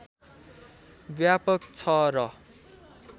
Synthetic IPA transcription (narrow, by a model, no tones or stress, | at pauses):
bjapʌk̚t͡sʰʌɾʌ